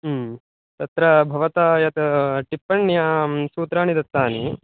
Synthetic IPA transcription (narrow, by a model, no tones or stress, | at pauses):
t̪ɐt̪ɾɐbʱɐʋɐt̪aːjɐt̪ɐʈipːɐɳːjaːsuːt̪ɾaːɳid̪ɐt̪ːaːni